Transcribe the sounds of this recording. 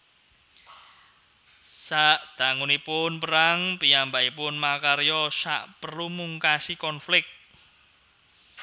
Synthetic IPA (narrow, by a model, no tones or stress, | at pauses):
saʔd̪̥a̤ŋunipʊnpəɾaŋpiambaipʊnmakaɾejɔsa̰ʔpərlumuŋkasikɔnflɪk̚t̪̚